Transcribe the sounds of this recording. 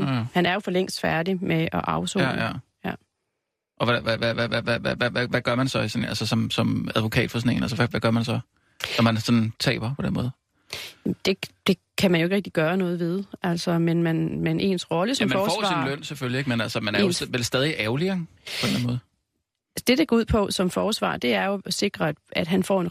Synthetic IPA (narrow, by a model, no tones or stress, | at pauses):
hænæɐjo̝fɒ̽leŋ̰sd̥fæɐdimeʔɒ̽ʔɑ̈ʊsɔ̰jæ̰ | ʔɒ̽ʋæʋæʋæʋæʋæʋæʋæʋæʋæʋæɡ̥ɶɐmænsɒ̽isɔnælsəsɒ̽msɒ̽mæðˠʋo̝kʰɛ̰ːd̥fɒsɔ̽ne̝̰nælsəʋæʋæɡ̥ɶɐmænsɒ̽ | nɒmænsɒ̽nt͡sʰɛ̰ːb̥ɐpʰɒ̽d̥enmɔ̽ːð̞̩ˠ | d̥e̝d̥e̝ | kʰæmænjoeɡ̥ʁeɡ̥̚d̥iɡ̥ɶːɐnɔ̽ːð̩ˠʋe̝ð̞ˠæl̰sɒmenmænmenʔe̝̰ːnsʁɒ̽ləsɒmæfnɒːfɒ̰sʋɑsïnløn̰seføljie̝ɡ̥menælsəmænɐʋelsd̥ɛːð̞ˠiʔæʊliɐŋpʰɒ̽denænmɔ̽ːð̩ˠ | d̥e̝d̥eɡ̥ɒuð̰ˠpʰɒ̽sɒ̽mfɒːsʋɑ̰̈ːd̥e̝æɐjo̝se̝ɡ̥ʁɐ̥æd̥ɦænfɒ̰e̝n